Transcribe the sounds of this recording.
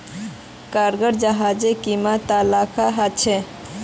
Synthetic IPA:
kaɾɡəɾd͡ʒəɦad͡ʒekimat̪alakʰaɦat͡ʃʰe

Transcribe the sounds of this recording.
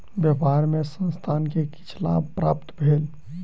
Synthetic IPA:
bjəpaɾmesə̃nst̪ʰankeki̥t͡ʃʰla̰bpɾa̰pt̪bʱel

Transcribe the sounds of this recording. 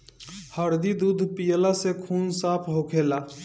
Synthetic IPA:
həɾd̪id̪uːd̪ʱpijəlasekʰuːnsaːpʰɦokʰeːlaː

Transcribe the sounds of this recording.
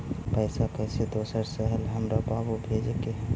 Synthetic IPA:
pəɪsakəɪsed̪osəɾsəɦəlɦəmɾababubʱed͡ʒke

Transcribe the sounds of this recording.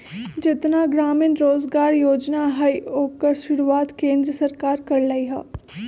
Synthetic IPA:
d͡ʒɪt̪naɡɾaːmənɾoːzɡaːɾjoːd͡ʒnaɦɐioːkəɾʃʊɾuaːt̪kẽːnd̪ɾəsɐɾkaːɾkɐɾlɐiɦɛ̰ː

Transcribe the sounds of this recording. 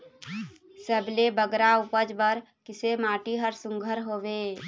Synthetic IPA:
səblebəɡɾaʊpəd͡ʒbəɾ | kɪsemaːʈiɦəɾsʊ̃ŋɡʱəɾɦoːʋeː

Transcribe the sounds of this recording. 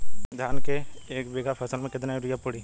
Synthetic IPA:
d̪ʱjaːnkeeːkbeːɡapʰɛːsəlmẽkɪt̪naiɾijapʊɽi

